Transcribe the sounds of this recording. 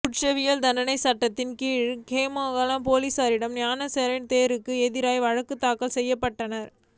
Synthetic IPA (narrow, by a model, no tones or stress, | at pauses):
kʊʈt͡ʃɐʋɪjɐld̪ɐnɖɐnɐɪsɐʈːɐt̪ːɪnkiːɻkeːmaːɣɐlɐmpoːlisaːɾɪɽɐmnjaːnɐsɛɾɐɪnt̪eːɾɯkːɯɛðɪɾaːjʋɐɻɐkːɯt̪ːaːkːɐlsɛjːɐpːɐʈːɐnɐɾ